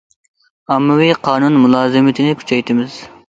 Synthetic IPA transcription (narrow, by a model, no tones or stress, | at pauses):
ɑmːɨwiqʰɑːnunmulˠɑːzɨmɪt̪ʰɪnɪkʲʰy̥t͡ʃʰɛjt̪ʰɪmɪz̥